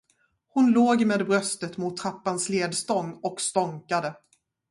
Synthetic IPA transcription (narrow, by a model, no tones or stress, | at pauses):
hʊnloːɡmeːd̪bɾœst̪ət̪mʊt̪ʰːɾapːansleːd̪st̪ɔŋːɔkst̪ɔŋkad̪ə